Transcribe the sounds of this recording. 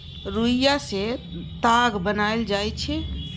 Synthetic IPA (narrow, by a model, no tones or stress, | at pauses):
ɾujaset̪aɡbənaeld͡ʒajt͡ʃʰɛ